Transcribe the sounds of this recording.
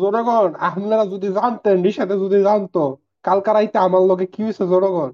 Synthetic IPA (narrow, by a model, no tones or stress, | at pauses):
zɔnoɡɔnaɦmlaɾazud̪ʱizant̪enɖiʃad̪ezud̪ʱizant̪o | kalkaɾajt̪eamaɾloɡekiɦojsʰezɔnoɡɔn